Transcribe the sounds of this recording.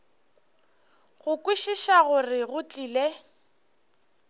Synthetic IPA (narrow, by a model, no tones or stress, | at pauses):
ɣʊkʼwiʃiʃaɣʊrɪɣʊt͡ɬʼiːle